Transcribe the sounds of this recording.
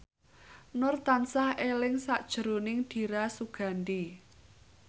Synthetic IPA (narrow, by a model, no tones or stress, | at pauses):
nʊrt̪ansahelɪŋsaʔd̥ʒ̥ə̤ɾonɪŋd̪̥i̤ɾasuɡ̥a̤nd̪i